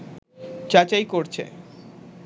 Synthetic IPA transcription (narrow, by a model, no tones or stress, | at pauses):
t͡ɕat͡ɕajkoɾt͡ɕʰḛ